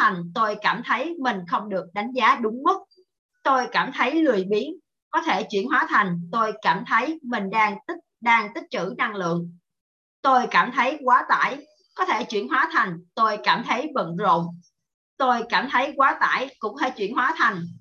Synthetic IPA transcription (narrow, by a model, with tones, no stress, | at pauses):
a˨˩jŋ̟t̪o˧jkaː˧˩mt̪ʰə˨˦jmï˨˩ŋ̟xə˧wŋ͡mɗɨ˨˩ək̚ɗa˨˦jŋ̟zaː˨˦ɗʊ˨˦ŋ͡mmʊ˦˥t̚ | t̪o˧jkaː˧˩mt̪ʰə˨˦jlɨ˨˩əjɓi˨˦ən | kɔ˨˦t̪ʰe˧˩t͡ɕwḭ˧˨ənɦwaː˨˦t̪ʰa˨˩jŋ̟t̪o˧jkaː˧˩mt̪ʰə˨˦jmï˨˩ŋ̟ɗaː˧ŋt̪̚ɗaː˧ŋt̪ï˦˥k̚t͡ɕɨ̰˧˩na˧ŋlɨ̰˧˨əŋ | t̪o˧jkaː˧˩mt̪ʰə˨˦jkwaː˨˦t̪a̰ː˧˩˨j | kɔ˨˦t̪ʰe˧˩t͡ɕwḭ˧˩ənɦwaː˨˦t̪ʰa˨˩jŋ̟t̪o˧jkaː˧˩mt̪ʰə˨˦jɓə̰˧˨nzo̰˧˨m | t̪o˧jkaː˧˩mt̪ʰə˨˦jkwaː˨˦t̪a̰ː˧˩jkʊ̰˧˥ŋ͡mt̪ʰe˧˩t͡ɕwi˧˨ənhwaː˨˦t̪ʰa˨˩jŋ̟